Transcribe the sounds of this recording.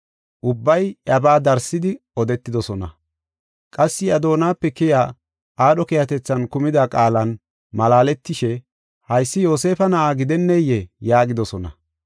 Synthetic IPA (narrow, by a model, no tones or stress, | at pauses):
ʔʊbːɐjɐbaːd̪ɐɾsɪd̪ɪɔd̪ɛt̪ːɪd̪ɔsɔnɐ̰ | kʼɐsːɪɐd̪o̞ːnaːpːɛkɪjaː | ʔaːɗɔkɛjɐt̪ɛt͡sːɐnkʊmɪd̪ɐkʼaːlɐn | mɐlaːlɛt̪ːɪʃɛ | hɐjsːɪjo̞ːse̞ːfɐnɐʔaːɡɪd̪ɛnːɛjɛjaːɡɪd̪ɔsɔnɐ̰